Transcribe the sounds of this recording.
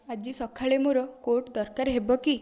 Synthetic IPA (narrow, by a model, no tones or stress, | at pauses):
ad͡ʒisɔkʰaɭemoɾɔkoʈd̪ɔɾkaɾeɦebɔki